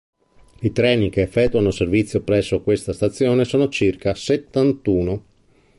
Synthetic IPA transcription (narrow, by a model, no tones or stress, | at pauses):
it̪ɾɛːnikeːfːɛt̪ːuanoservit̪sːjopɾɛsːokwest̪ast̪at̪sːjoːnesoːnot͡ʃirkaset̪ːant̪uːno